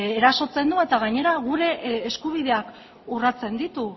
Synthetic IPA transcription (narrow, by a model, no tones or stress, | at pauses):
eɾaso̞t͡se̞nd̪ue̞t̪aɣaɲe̞ɾaɣuɾe̞ːskuβ̞ið̞e̞ak | urat͡se̞nd̪it̪u